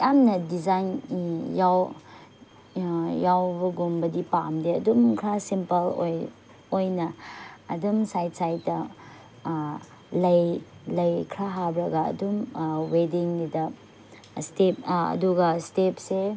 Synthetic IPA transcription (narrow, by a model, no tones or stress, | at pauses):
jamnɐdizanjaw | jawbɐɡumbɐdipamdeɐdumkʰɾasimpɐlo̰j | ojnɐː | dumsajtsajtɐ | lɐjlɐjkʰɾaɦabɾɐɡɐɐ̰dumwediŋnidɐ | stepɐ̰duɡɐstep̚se